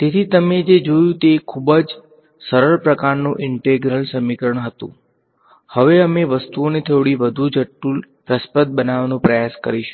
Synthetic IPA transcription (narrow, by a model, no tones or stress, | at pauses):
t̪et̪ʰit̪əmed͡ʒed͡ʒojũt̪ekʰubəd͡ʒ | səɾəɭpɾəkaɾnũʔɪɳʈeɡɾəlsəmikəɾəɳ̃ɦət̪ṵ̃ | həʋeəmeʋəst̪uonet̪ʰeʋɭiʋəd̪ʱud͡ʒəʈːul | pɾəspət̪̚bənaʋnũpɾəjaskə̰ɾiʃ